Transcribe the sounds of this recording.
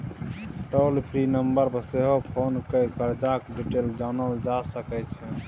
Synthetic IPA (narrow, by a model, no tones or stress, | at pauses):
ʈəlpʰɾinəmbəɾbəseɦopʰonkəkəɾd͡ʒakɖiʈeld͡ʒanəld͡ʒasəkɛt͡ʃʰɛ